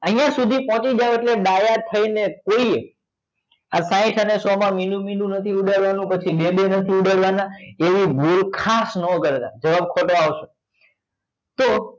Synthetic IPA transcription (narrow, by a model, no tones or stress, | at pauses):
əɦijãsud̪ʱipɔ̃t͡ʃid͡ʒaʋeʈleɖajat̪ʰəinekoi | asãĩʈʰənesɔmãminũminũnət̪ʰiuɖaɭʋanũpət͡ʃʰiɗebenət̪ʰiuɖaɭʋanaeʋibʱulkʰasnɔkəɾet̪ad͡ʒəʋab̚kʰoʈoaʋʃe | t̪o